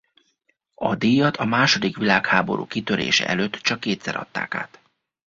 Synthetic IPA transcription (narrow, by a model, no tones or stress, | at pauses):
ɒd̪iːjɒt̪ʰɒmaːʃo̞d̪ikʋilaːkhaːbo̞̰ɾʔṵːkit̪øɾḛːʃɛ̰ʔɛløːt̪ːt͡ʃɒkːeːt̪sɛɾɒ̰t̪ːa̰ːka̰ːt̪